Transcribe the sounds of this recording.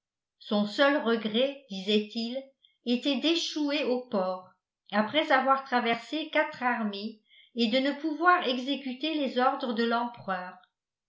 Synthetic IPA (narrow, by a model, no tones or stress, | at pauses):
sɔ̃sœlʁəɡʁɛd̪̥izɛt̪il | et̪ɛd̪eʃueopɔːʁ | apχɛzavwaʁt̪χavɛʁsekat̪χaʁme | ed̪ənəpuvwaʁɛɡzekyt̪elezɔʁd̪ʁəd̪əlɑ̃pχœːʁ